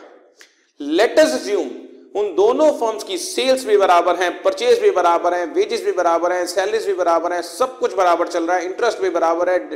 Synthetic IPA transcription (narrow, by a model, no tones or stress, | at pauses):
lɛʈəɾsɐzjũːmʊnd̪oːnõfɐɾmskiseːlsbʱibɐɾaːbəɾɦɛ̃ːpɐɾt͡ʃeːzbʱibɐɾaːbəɾɦɛ̃ːʋeːd͡ʒɪzbʱibɐɾaːbəɾɦɛ̃ːsɛːlɪzbʱibɐɾaːbəɾɦɛ̃sɐb̚kʊt͡ʃʰbɐɾaːbəɾt͡ʃɐlɾaːɛ̃ɪ̃ɳʈɾəsʈbʱibɐɾaːbəɾɦɛ̃